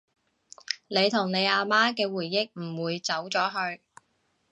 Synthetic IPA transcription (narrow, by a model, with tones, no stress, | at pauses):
ne˨˧jt̪ʰʊ˨˩ŋne˨˧jaː˧maː˥kɛː˧wuː˨˩jːɪ˥k̚m̩˨˩wuː˨˧jt͡sɐ˨˥wt͡sɔː˨˥ɦɵ˧ɥ